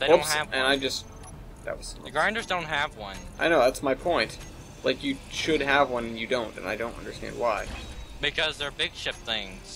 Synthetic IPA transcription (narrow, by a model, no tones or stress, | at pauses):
ðeʌ̃sʔɨ̃naɪd͡ʒʌst̚ | ðɨ̰t̚wʌz̥ɡɹãndə˞zdõʊ̃nt̚ɦɨvwʌ̰̃nʔaɪñoʊðætsmaɪpʰɔ̃ɪ̃nt | lʔaɪkjɨʃɨd̚əvwʌ̃nɨ̃n̩jɨdõʊ̃ntɨ̰̃na̰ɪdõʊ̃ntʌ̰̃ndə˞stæ̰̃nd̚waɪb̥ɨkʰʌzðə˞bɪɡ̥ʃɪp̚θɪ̃ŋz̥